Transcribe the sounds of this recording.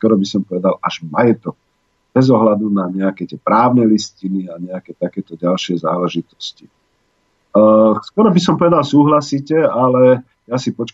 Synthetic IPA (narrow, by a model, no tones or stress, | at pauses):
skɔɾɔbisɔmpɔʋɛd̪alaʒmajɛt̪ɔk̚ | bɛzɔɦlad̪unaɲɛakɛt̪ɪɛːpɾaːʊnɛlisciniaɲɛakɛt̪akɛːt̪ɔɟalʃɪɛzaːlɛʒit̪ɔ̥sci | skɔɾɔbisɔmpɔʋɛd̪alsuːɦlasiːcɛalɛ | jasipɔt͡ʃk